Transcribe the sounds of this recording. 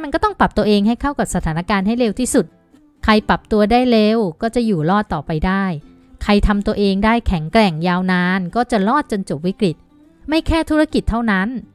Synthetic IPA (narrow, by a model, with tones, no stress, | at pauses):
ma˧nkɔː˥˩t̪ɔ˥˩ŋpla˨˩p̚t̪u˧ɐʔeː˧ŋɦa˥˩jkʰa˥˩wka˨p̚sa˧t̪ʰaː˩˦na˦˥˩kaː˧nɦa˥˩jleː˧wt̪ʰiː˥˩su˨˩t̪̚ | kʰa˧jpa˨˩p̚t̪u˧ɐdaː˥˩jleː˧wkɔː˥˩t͡ɕa˨˩juː˨˩lɔː˥˩t̪ːɔː˨˩pa˧jdaː˥˩j | kʰa˧jt̪ʰa˧mt̪u˧ɐʔeː˧ŋdaː˥˩jkʰɛ˩˦ŋkɾɛ˨˩ŋjaː˧wnaː˧nkɔː˥˩t͡ɕa˨˩lɔː˥˩t̪̚t͡ɕo˧nt͡ɕo˨˩p̚wi˦˥kɾi˨˩t̪̚ | ma˥˩jkʰɛː˥˩t̪ʰu˦˥ɾa˥˩ki˨˩t̪ʰːa˥˩wna˦˥n